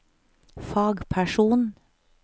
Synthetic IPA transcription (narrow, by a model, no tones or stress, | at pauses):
fɑːɡpʰæʃuːn